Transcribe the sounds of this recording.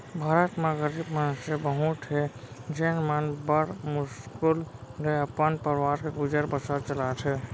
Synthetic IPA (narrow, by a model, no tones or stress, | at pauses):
bʱaːɾət̪meɡəɾibmansebəɦuʈ̪ʰɦed͡ʒenmanbəɾmʊskulɾeəpənpəɾwaɾkeɡʊd͡ʒəɾbəsaɾt͡ʃəlat̪ʰe